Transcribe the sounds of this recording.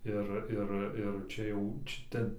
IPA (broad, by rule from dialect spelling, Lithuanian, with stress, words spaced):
ˈɪr ˈɪr ɪr ˈt͡ʃʲɛ jɛʊ t͡ʃʲɛ ˈtʲɛn